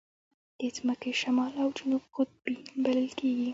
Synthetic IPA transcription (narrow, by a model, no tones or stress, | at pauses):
d̪̥et͡sməkeʃamɑlawd͡ʒʊnubxʊt̪̚binbaləlkʰeɡi